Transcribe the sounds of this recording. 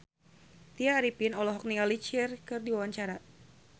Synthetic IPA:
t̪iaːɾipinɔlɔɦɔk̚nialit͡ʃɪrkɨrdiwawaɲt͡ʃaɾa

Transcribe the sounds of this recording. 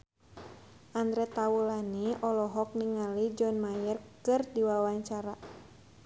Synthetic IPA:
ʔand̪ɾɛt̪aulaniɔlɔɦɔk̚niŋalid͡ʒɔnmajərkɨrdiwawaɲt͡ʃaɾa

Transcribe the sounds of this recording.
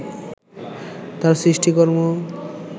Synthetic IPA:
t̪aɾsɾiʃʈikoɾmo

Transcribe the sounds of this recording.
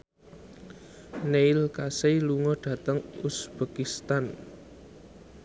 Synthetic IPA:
neilkaseluŋɔɖ̥ä̤t̪əŋusb̥a̤kist̪an

